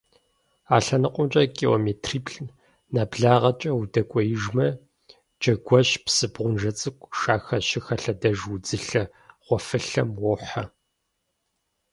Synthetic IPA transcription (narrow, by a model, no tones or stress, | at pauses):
aːɬɐnɨqʷʼʊnt͡ʃʼɐkʼio̰meːtʰriːpʰɬ | naːbɮaːʁɐt͡ʃʼɐwudɐkʷʼɔjɪʒmɐ | d͡ʒɐɡʷɔɕpsɨbʁʷʊnʒɐt͡sʼɨkʷʼʃaːxɐʃɪxɐɬɐdɐʒud͡zɨɬɐ | ʁ̥ʷɔfɨɬɐmwɔħɐ